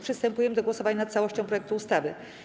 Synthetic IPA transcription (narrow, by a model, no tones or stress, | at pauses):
pʂɨst̪ɛmpujɛmɘd̪ɔɡwɔsɔvaɲanat̪t̪sawɔɕt͡ɕɔ̃pɾɔjɛk̚t̪uːst̪avɘ